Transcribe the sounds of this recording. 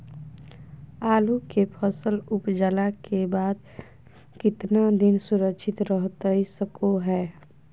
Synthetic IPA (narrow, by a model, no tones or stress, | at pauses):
aːlukepʰəsəlʊpd͡ʒəlakebaːd̪̚ | kɪt̪nad̪ɪnsʊɾəkʃʰɪt̪ɾəɦt̪aisəkoɦɛː